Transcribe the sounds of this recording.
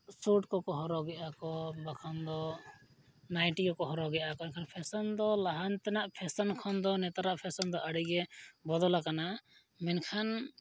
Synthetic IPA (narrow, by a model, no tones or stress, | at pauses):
suʈkɔkɔɦɔɾɔɡɛʔakɔbakʰɔnd̪ɔ | najʈikɔkɔɦɔɾɔɡɛʔakɔnkʰanpʰɛsɔnd̪ɔlaɦant̪ɛnaʔpʰɛsɔnkʰɔnd̪ɔnɛt̪aɾaʔpʰɛsɔnd̪ɔʔaɽiɡɛbɔd̪ɔlakana | mɛnkʰan